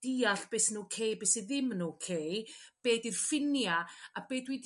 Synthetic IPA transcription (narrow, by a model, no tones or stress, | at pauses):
d̥iaɬb̥esnuːkʰejbesiðɪmnukʰejb̥eːdirfɪnjaabeːdwid